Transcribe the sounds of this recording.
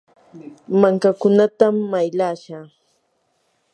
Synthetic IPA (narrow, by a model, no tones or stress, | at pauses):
maŋkakʊnat̪amːajʎaːʃaː